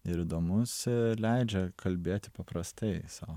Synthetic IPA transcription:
ɪɾid̪oːmʊslʲɛɪd͡ʒʲɛkʰɐlʲbʲeːt̪ʲɪpɐpɾɐst̪ɐɪsɐʊ

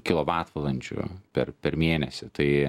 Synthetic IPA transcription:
kʲɪlˠoːʋɑːt̪ʋɐlˠɐnʲt͡ʃʲʊ̰pʲɛrpʲɛɾmʲiːnʲɛsʲɪt̪ɐɪ

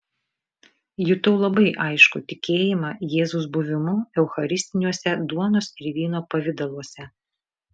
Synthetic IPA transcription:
jʊt̪oʊlˠɐbɐɪʔɐɪʃkʊ̰t̪ʲɪkʲeːjɪmɑjeːzʊsbʊʋʲɪmʊɛʊxɐɾʲɪsʲt̪ʲɪnʲuɔsʲɛd̪uɔnoːsɪɾʲʋʲiːnoːpɐʋʲɪd̪ɐlˠuɔsʲɛ

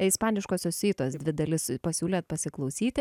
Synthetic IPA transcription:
ɪspɑːnʲɪʃkoːsʲoːsʲiːt̪oːsd̪ʲʋʲɪd̪ɐlʲɪspɐsʲuːlʲeːt̪̚pɐsʲɪklˠɐʊsʲiːt̪ʲɪ

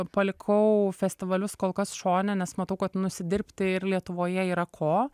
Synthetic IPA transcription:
pɐlʲɪkʰɐʊfʲɛsʲt̪ʲɪʋɐlʲʊskoːlˠkɐsʃoːnʲɛnʲɛsmɐt̪ɐʊkɐt̪nʊsʲɪd̪ʲɪɾʲpʲt̪ʲɪɪɾlʲiɛt̪ʊʋoːjɛiːɾɐkʰoː

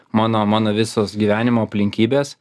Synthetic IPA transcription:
mɑːnoːmɑːnoːʋʲɪsoːsɡʲiːʋʲæːnʲɪmoːɐpʲlʲɪŋʲkʲiːbʲeːs

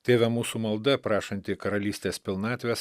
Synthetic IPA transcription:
t̪ʲeːʋʲɛmuːsuːmɐlˠd̪ɐpɾɑːʃɐnʲt̪ʲɪkɐɾɐlʲiːsʲt̪ʲeːspʲɪlˠnɑːt̪ʲʋʲeːs

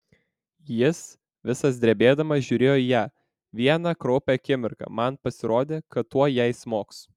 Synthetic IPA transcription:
jɪs | ʋʲɪsɐs̬d̪ʲɾʲɛbʲeːd̪ɐmɐsʒʲʊːɾʲeːjoːijæː | ʋʲiɛnɑkɾoːpʲɛɐkʲɪmʲɪɾkɐ̰mɐnpɐsʲɪɾoːd̪ʲeːkɐt̪ːuɔjɛɪsmoːks

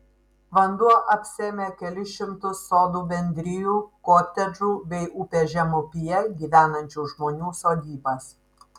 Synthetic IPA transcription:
ʋɐnd̪uɔʔɐpʲsʲeːmʲeːkʲɛlʲɪʃʲɪmt̪ʊsːoːd̪uːbʲɛnʲd̪ʲɾʲɪjuːkoːt̪ʲɛd͡ʒuːbʲɛɪʔupʲɛʒʲɛmʊpʲijɛɡʲiːʋʲæːnɐnʲt͡ʃʲuːʒmoːnʲuːsoːd̪ʲiːbɐs

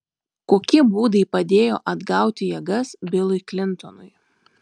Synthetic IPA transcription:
koːkʲɪbuːd̪ɐɪpɐd̪ʲeːjo̰ːʔɐd̪ɡɑˑʊt̪ʲɪjɛːɡɐsbʲɪlˠʊɪklʲɪnˑt̪ɔnʊɪ

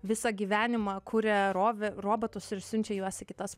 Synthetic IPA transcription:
ʋʲɪsɑɡʲiːʋʲæːnʲɪmɑkʰuːɾʲɛɾoːʋʲɛroːbot̪ʊsɪɾsʲʊnʲt͡ʃʲɛjuɔsʲɪkʲɪt̪ɐs

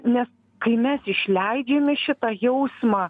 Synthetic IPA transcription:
nʲɛs | kɐɪmʲɛsɪʃʲlʲɛɪd͡ʒʲeːmʲɪʃʲɪt̪ɑjɛʊsmɑː

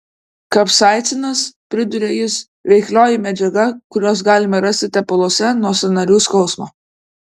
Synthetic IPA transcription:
kɐpsɑˑɪt̪sʲɪnɐspʲɾʲɪd̪ʊɾʲeːjɪs | ʋʲɛɪklʲoːjɪmʲɛd͡ʒʲɛɡɐkʊɾʲoːs̬ɡɑːlʲɪmɐɾɐsʲt̪ʲɪt̪ʲɛpɐlˠoːsʲɛnuɔsʲɐnɐɾʲuːskɐʊsmoː

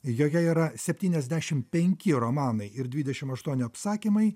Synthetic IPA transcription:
joːkʲɛiːɾɐsʲɛpʲt̪ʲiːnʲɛzʲd̪ʲæʃʲɪmpʲɛŋʲkʲɪɾomɑːnɐɪɪɾd̪ʲʋʲiːd̪ʲɛʃʲɪmɐʃt̪uɔnʲɪɐpsɑːkʲimɐɪ

